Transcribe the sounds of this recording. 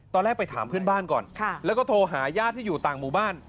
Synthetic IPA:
t̪ɔː˧lɛː˦˥k̚pa˧jt̪ʰaː˩˦mpʰɯ˥˩ənbaː˥˩nkɔ̰ː˨˩nkʰlɛː˦˥kɔː˥˩t̪ʰoː˧ɦaː˩˦jaː˥˩t̪ʰːiː˥˩juː˨˩t̪aː˨˩ŋmuː˨˩baː˥˩n

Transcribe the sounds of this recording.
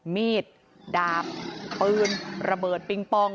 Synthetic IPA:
miː˥˩t̪̚ | daː˨˩p̚ːɯː˧nɾa˧bɤː˨˩t̪̚pi˧ŋpɔ˧˩ŋ

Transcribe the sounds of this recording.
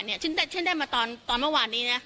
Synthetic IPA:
nːi˥˩ɐt͡ɕʰɯ˦˥˩ndaː˥˩t͡ɕʰi˥˩ndaː˥˩jmaː˧t̪ɔː˧nt̪ɔː˧nmɯ˥˩˨waː˧nːiː˦˥na˦˥

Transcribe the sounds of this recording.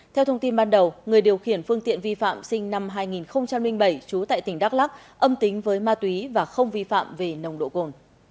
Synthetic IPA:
t̪ʰɛ˧wt̪ʰə˧wŋ͡mt̪i˧nɓaː˧nɗə˨˩wŋɨ˨˩əjɗi˨˩əwxi˧˩ənfɨ˧əŋt̪ḭ˧˨ənvi˧fa̰ː˧˨msï˧ŋ̟na˧mɦaː˧jŋi˨˩nxə˧wŋ͡mt͡ɕa˧mlï˧ŋ̟ɓə˧˩jt͡ɕu˨˦t̪a̰ː˧˨jt̪ï˧˩ŋ̟ɗaː˦˥k̚laː˦˥k̚ʔə˧mt̪ï˨˦ŋ̟vəː˨˦jmaː˧t̪wi˨˦vaː˨˩xə˧wŋ͡mvi˧fa̰ː˧˨mve˨˩nə˨˩wŋ͡mɗo̰˧˨ko˨˩n

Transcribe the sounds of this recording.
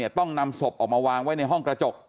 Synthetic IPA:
i˥˩ɐt̪ɔ˥˩ŋna˧mso˨˩p̚ʔɔː˨˩k̚maː˧waː˧ŋwa˦˥jna˧jɦɔ˥˩ŋkɾa˧t͡ɕo˨˩k̚

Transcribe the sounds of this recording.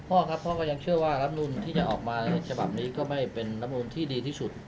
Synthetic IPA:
pʰɔː˥˩kʰa˦˥pʰːɔ˦˥˩kɔː˥˩ja˧ŋt͡ɕʰɯ˥˩əwaː˥˩ɾa˦˥m̚nuː˧nt̪ʰiː˥˩t͡ɕa˨˩ʔɔː˨˩k̚maː˧t͡ɕʰa˧ba˨˩p̚niː˦˥kɔː˥˩ma˥˩jpe˧nːa˦˥pm̚nuː˧nt̪ʰiː˥˩diː˧t̪ʰiː˥˩su˨˩t̪̚

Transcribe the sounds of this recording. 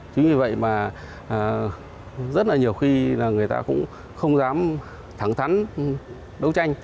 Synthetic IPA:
t͡ɕi˨˦ŋvi˨˧˩və̰˧˨jmaː˨˩˨ | zə˦˥t̚laː˨˩ɲi˨˩əwxi˧laː˨˩ŋɨ˨˩əjt̪a̰ː˧kʊ̰˧˥ŋ͡m | xə˧wŋ͡mzaː˨˦m | t̪ʰa˧˩ŋt̪ʰa˨˦n | ɗə˨˦wt͡ɕa˧jŋ̟

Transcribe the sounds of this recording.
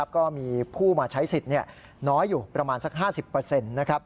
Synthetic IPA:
a˦˥p̚kɔː˥˩miː˧pʰuː˥˩maː˧t͡ɕʰa˦˥jsi˨˩t̪̚ni˥˩ɐ | nɔː˦˥jːuː˨˩pɾa˧maː˧nsa˦˥k̚ɦaː˥˩si˨˩pːɤː˧se˧nːa˦˥kʰa˦˥p̚

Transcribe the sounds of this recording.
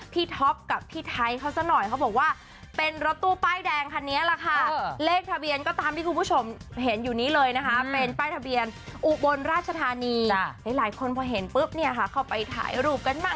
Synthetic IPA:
pʰiː˥˩t̪ʰɔ˦˥p̚ka˨˩p̚tʰiː˥˩t̪ʰa˦˧˥jkʰa˦˥˩wsa˧˥˩nɔ˨˩jkʰa˦˥wbɔː˨˩k̚waː˥˩ | pe˧nɾo˦˥t̪ːu˥˩ɐpaː˥˩jdɛː˧ŋkʰa˧nːi˦˥ɐla˨˩kʰa˥˩˧leː˥˩k̚t̪ʰa˧bi˧ənkɔː˥˩t̪aː˧mt̪ʰiː˥˩ku˧npʰu˥˩o˧mɦe˩˦njuː˨˩niː˦˥lɤː˧jna˦˥kʰa˦˥pe˧npaː˥˩jt̪ʰa˧bi˧ənʔu˨˩bo˧nɾaː˥˩t̪̚t͡ɕʰa˧t̪ʰaː˧niː˧laː˨˩˦jlaː˩˦jkʰo˧npʰɔː˧ɦe˩˦npɯ˦˥˩p̚ni˥˩ɐkʰa˦˥˩kʰa˧˩wpa˧jt̪ʰa̰ː˩˦jɾuː˥˩p̚ka˧nmaː˥˩

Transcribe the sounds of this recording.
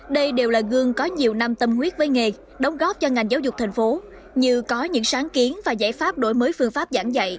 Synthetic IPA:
ɗə˧jɗe˨˩wlaː˨˩ɣɨ˧əŋkɔ˨˦ɲi˨˩əwna˧mt̪ə˧mhwi˦˥ət̚vəː˨˦jŋe˨˩ | ɗə˨˦wŋ͡mɣɔ˦˥p̚t͡ɕɔ˧ŋa˨˩jŋ̟zaː˨˦wzʊ˨˩k͡p̚t̪ʰŋ̟fo˨˦ | ɲɨ˧kɔ˨˦ɲɨ̰˧˥ŋsaː˨˦ŋki˨˦ənvaː˨˩za̰ː˧˩jfaː˦˥p̚ɗo̰˧˩jməː˨˦jfɨ˧əŋfaː˦˥p̚za̰ː˧˩ŋza̰˧˨j

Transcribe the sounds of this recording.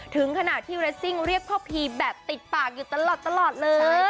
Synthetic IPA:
t̪ʰɯ˩˦ŋkʰa˧na˨˩ʔt̪ʰiː˥˩wɾɛ˦˥t̚si˥˩ŋɾi˥˩ək̚ʰɔː˥˩pʰiː˧bɛː˨˩p̚t̪i˨˩t̪̚paː˨˩k̚juː˨˩t̪a˧lɔː˨˩t̪ːa˧lɔː˨˩t̪̚lɤː˧

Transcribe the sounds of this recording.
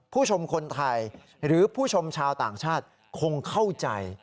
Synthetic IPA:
pʰuː˥˩t͡ɕʰo˧mkʰo˧nt̪ʰa˧j | ɾɯː˩˦pʰuː˥˩t͡ɕʰo˧mt͡ɕʰaː˧wt̪aː˨˩ŋt͡ɕʰaː˥˩t̪̚ | kʰo˧ŋkʰa˥˩wt͡ɕa̰˧j

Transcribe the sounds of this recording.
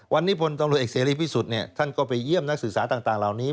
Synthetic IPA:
wʔa˧nːiː˦˥˩pʰo˧nt̪a˧mu˨˩t̪ʔeː˨˩seː˩˦ɾiː˧˥˩pʰiː˥˩su˨˩t̪̚ni˥˩ɐt̪ʰa˥˩nkɔː˥˩pa˧jːi˥˩əmna˥k̚sɯ˨˩k̚saː˩˦t̪aː˨˩ŋt̪aː˨˩ŋla˨˩wniː˦˥

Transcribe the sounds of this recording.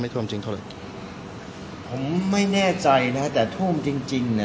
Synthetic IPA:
ma˥˩jt̪ʰu˥˩˨mt͡ɕi˧ŋʰa˥˩a˧˥˩ | pʰo˩˦mːa˥˩jnɛː˥˩t͡ɕa˧jna˦˥t̪ɛː˨˩t̪ʰu˥˩mt͡ɕi˧ŋt͡ɕi˧ŋna˦˥

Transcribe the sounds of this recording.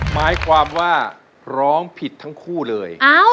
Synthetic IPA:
maː˦˥jkʰwaː˧mwaː˥˩ | ɾɔː˦˥ŋpʰi˨˩t̪ʰːa˦˥ŋkʰuː˥˩lɤː˧jʔaː˦˥w

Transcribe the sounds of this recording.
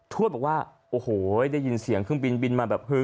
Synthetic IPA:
t̪ʰu˥˩t̚bɔ˨˩k̚waː˥˩ʔoː˧˩hoː˨˩˦daː˥˩jːi˧nsi˨˦əŋkʰɯ˥˩ŋbi˧nbi˧nmaː˧bɛː˨˩p̚hʰɯ˧˩

